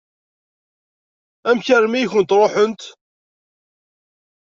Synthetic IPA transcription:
æmçæɾmijçənt̪ɾˤoħənt̪

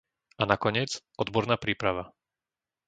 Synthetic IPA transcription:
anakɔɲɪɛd͡z | ɔd̪bɔɾnaːpɾiːpɾaʋa

